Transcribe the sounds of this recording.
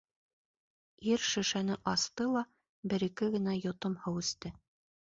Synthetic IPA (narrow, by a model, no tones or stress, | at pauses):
iɾʃɵ̆ʃænɘʔɑst̪ɤlˠɑ | bɘ̆ɾɘ̆kɘɡɘ̆næjŏt̪omhɤwɘ̆st̪ɘ